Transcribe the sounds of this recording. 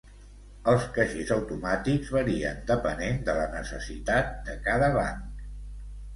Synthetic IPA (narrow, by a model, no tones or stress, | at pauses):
əlˠskəʃizəwt̪umat̪ikzβəɾiə̰nd̪əpənend̪ələnəsə̰sit̪at̪̚d̪əkaðəβaŋk